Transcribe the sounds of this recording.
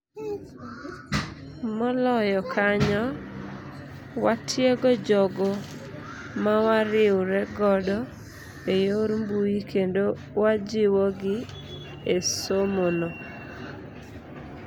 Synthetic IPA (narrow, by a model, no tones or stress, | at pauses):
mɔlɔjɔkʰaɲɔ | watʰjeɡɔd͡ʒɔɡɔ | mawaɾɪwɾɛɡɔdɔ | ejoɾmbujikʰendo | wad͡ʒɪwɔɡɪ | esomonɔ